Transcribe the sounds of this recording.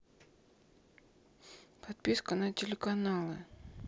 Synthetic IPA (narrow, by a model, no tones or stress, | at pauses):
pʰɐt̪̚pʲiskɐnɐtʲɪlʲɪkɐnalˠɨ